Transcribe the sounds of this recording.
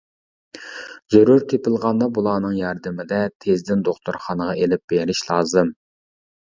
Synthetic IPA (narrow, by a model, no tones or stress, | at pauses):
zøɾuɾkʲʰepɪlˠʁɑnd̪ɑbulˠɑːnɨŋjɑɾd̪ɪmɪd̪ɛt̪ʰezd̪ɪnd̪oχt̪ʰuɾχɑnəʁɑelɪp̚b̥eɾɪʃlˠɑːzɨm